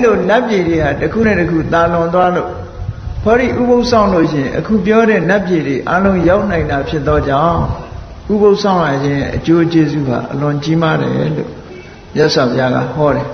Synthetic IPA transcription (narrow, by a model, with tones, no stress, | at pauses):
lo˨na˦pje˨ɾe˨ha˨təkʰṵ˦˨nɛ̰˦˨təkʰṵ˦˨t̪a˨lʊ̃˨nt̪wa˦lo̰˦˨ʔ | pʰɔ˦ɾḭ˦˨ʔu˦bo˦ʊʔsʰã˦˨ʊ̃lo̰˦˨ʃɪ̃˨ʔəkʰṵ˦˨p̬jɔ˦ɾɛ̰˦˨na˦pje˨ɾe˨ʔa˦lõ˦ʊ̃ja˦ʊʔn̥ã˨ɪ̃nda˨pʰjɪ˦t̪ːɔ˦d͡ʑã˦˨ʊ̃ | ʔu˦bo˦ʊʔsʰã˦˨ʊ̃la˨d͡ʑɪ̃˦jɛ̰˦˨ʔət͡ɕo˦t͡ɕe˦zṵ˦˨ɦa̰˨ʔəlʊ̃˨t͡ɕi˦ma˦ɾɛ̰˨lo̰˦˨ | mjɛ˦ʔswa˨pʰja˦ɣa̰˦˨hɔ˦ɾɛ˨